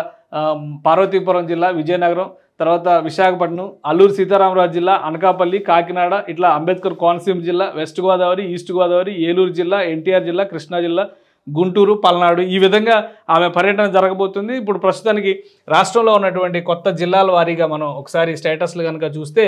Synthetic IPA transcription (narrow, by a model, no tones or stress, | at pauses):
paːɾʋɐt̪̬iːp̬ɐɾɐmd͡ʒilːaːʋid͡ʒɐjɐnɐɡɐɾɐm | t̪ɐɾʋaːt̪ɐʋiʃaːkʰɐpɐʈnuɐlːuːɾsiːt̪aːɾaːmɐɾaːd͡ʒd͡ʒilːaːʔɐnɐkaːpɐlːikaːkinaːɽɐʔiʈlaːɐmbeːt̪̚kɐɾkaːnɐsiːmd͡ʒilːaːʋesʈɡʋaːd̪aːʋɐɾiiːsʈuɡuʋaːd̪aːʋɐɾieːluːɾd͡ʒilːaːe̞ɳʈiːjaːɾd͡ʒilːaːkɾiʂɳaːd͡ʒilːaː | ɡuɳʈuːɾupɐlɐnaːɽuiːʋid̪ʱɐŋɡaːaːme̞pɐɾjɐʈɐnɐmd͡ʒɐɾɐkɐbo̞ːt̪und̪iːpːuɽupɾɐst̪ut̪aːniki | ɾaːʂʈɾɐmloːunːɐʈ̬uʋɐɳʈikɔt̪ːɐd͡ʒilːaːlɐʋaːɾiːɡaːmɐnɐmɔkɐ̥saːɾisʈeːʈɐsluɡɐnɐkat͡ʃuːst̪e̞ː